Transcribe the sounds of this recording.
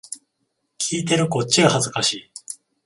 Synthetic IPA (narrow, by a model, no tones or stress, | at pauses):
kʲʰiːt̪e̞ɾɯ̟ko̞t͡ɕt͡ɕːiɡahazɨkaɕiː